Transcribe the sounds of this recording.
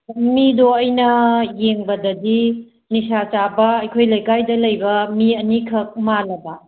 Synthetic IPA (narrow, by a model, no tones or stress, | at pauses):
midoɐjnɐjeŋbɐdɐdi | nisat͡ʃabɐːjkʰojlɐjkajdɐlɐjbɐmiɐnikʰɐk̚malɐbɐ